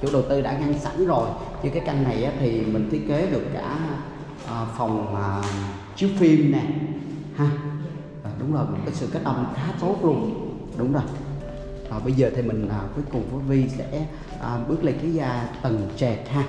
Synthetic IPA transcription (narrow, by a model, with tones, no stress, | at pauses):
t͡ɕṵ˧˥ɗə˨˩wt̪ɨ˧ɗa̰ː˧˥ŋa˧ŋsa̰˧˥nzo˨˩j | ɲɨ˧kaː˨˦jka˧jŋ̟na˨˩jʔaː˨˦t̪ʰi˨˩mï˨˩ŋ̟t̪i˦˥ət̚ke˨˦ɗɨ˨˩əkːa̰ː˧˩˧ | ʔəː˨˩fa˨˩wŋ͡mʔəː˨˩ | t͡ɕi˨˦wfi˧mnɛ˨˩ | haː˧ | ʔəː˨˩ɗʊ˨˦wŋ͡mzo˨˩jm˨˩kɔ˨˦jsɨ̰˧˨kə˦˥t̚ɗə̰˧˩mxaː˨˦t͡ɕo˨˦klʊ˨˩ŋ͡m | ɗʊ˨˦wŋ͡mzo˨˩j | ɔː˨˩ɓə˧jzəː˨˩t̪ʰi˨˩mï˨˩ŋ̟ʔəː˨˩ku˨˦əjkʊ˨˩ŋ͡mvu˨˦vi˧sɛ̰˧˥ | ʔəː˨˩ɓɨ˦˥ək̚lï˨˩k̟̚li˨˦zaː˧t̪ə˨˩ŋt͡ɕɛ˨˩t̚haː˧